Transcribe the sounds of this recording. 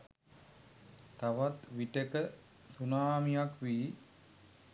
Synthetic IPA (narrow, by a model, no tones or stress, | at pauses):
t̪aʋat̪ʋiʈekə | sunaːmijakʋiː